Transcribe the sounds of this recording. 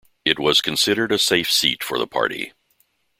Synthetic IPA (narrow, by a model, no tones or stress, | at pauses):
ɨt̚wʌz̥kʰɨ̃n̩sɪɾə˞ɾɨseɪfsitfə̰˞ðə̰pʰɑ̰ɹɾḭ